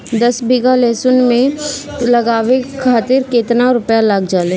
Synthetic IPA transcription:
d̪ɐsbʱɪɡaleːsʊnmẽ | lɐɡaːʋekʰaːt̪ɪɾkeːt̪naɾʊpjalaɡd͡ʒaːleː

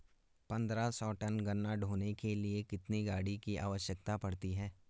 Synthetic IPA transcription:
pɐ̃nd̪ɾasɔːʈɐnɡɐnːaɖʱoːnekeliekɪt̪niɡaːɽikiʔa̰ːʋəʃjəkt̪apɐɽt̪iɦɛː

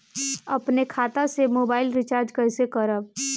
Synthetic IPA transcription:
ɐpnekʰaːt̪ãsemoːbaːɪlɾɪt͡ʃaːɾd͡ʒkəɪsekəɾəb̚

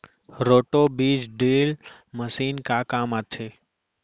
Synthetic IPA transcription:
ɾoːʈoːbiːd͡ʒɖeːl | məsiːnkaːkaːmat̪ʰeː

